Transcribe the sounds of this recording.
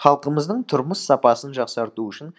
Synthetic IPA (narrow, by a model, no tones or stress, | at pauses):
χɑlˠqəməzd̪əɴt̪ʰʊɾməsːɑpɑsənʒɑqsɑɾt̪uʏʃɪn